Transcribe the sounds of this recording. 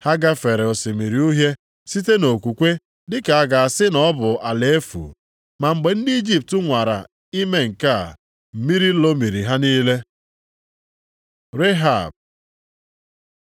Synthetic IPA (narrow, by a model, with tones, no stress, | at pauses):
ha˦ɡa˦fe˨ɾe˨ɔ˨sɪ˨mi˨ɾi˨u˦ɦje˦ | si˦te˦no˨kʷu˨kʷe˦ | dɪ˦ka˨a˨ɡa˨a˨sɪ˦nɔ˦bʊ˨a˨le˨e˦fṵ˨ | ma˨ŋ͡m̩˨ɡ͡be˨n̩˦dɪ˦i˦d͡ʒi˦˨p̚tʊ˦ŋʷa˨ɾa̰˨ | i˦me˦ŋ̩˨ka̰˦˨ | m̩˨mi˦ɾi˦lo˦mi˨ɾi˨ɦa˦niː˦le˦ | ɾe˦ɦa̰˦˨b̚